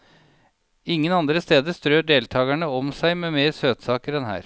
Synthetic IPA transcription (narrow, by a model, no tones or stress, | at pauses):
ɪŋːənɑnd̪ɾəst̪eːd̪əst̪ɾøːɖeːlt̪ʰɑːɡæɳəɔmsæɪmeːmeːɾsøːt̪sɑːkəɾɛnhæ̰ːɾ